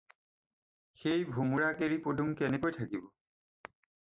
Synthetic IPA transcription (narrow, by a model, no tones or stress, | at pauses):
xejbʱumuɹakeɹipoduŋkɛnɛkojtʰakibɔ